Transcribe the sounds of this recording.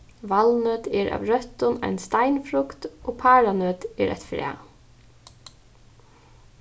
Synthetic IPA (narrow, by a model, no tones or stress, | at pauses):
ʋalnøːt̪ɛɹa̰ːʋɾœt̪ʊna̰jnst̪ajnfɾʊkt̪oːpʰaːɹanøːt̪ɛ̰ɾʔa̰t̪fɾɛ̰ː